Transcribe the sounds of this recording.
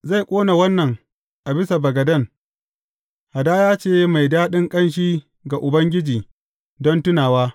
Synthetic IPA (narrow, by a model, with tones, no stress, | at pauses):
za˦˨jkʷʼoː˦na˨wɐ˦nːɐ˨ŋ | ʔa˨bɪ˦sa˨bɐ˨ɡɐ˨dɐ˦˨ŋ | ha˨daː˦jaː˦t͡ʃeː˦ma˨jdaː˦ɗɪ˦ŋkʼɐ˦nʃ̬iː˦ | ɡa˨ʔʊ˨bɐ˦ŋɡʲɪ˦d͡ʒiː˨ | dɔ˦ntʊ˦naː˨waː˦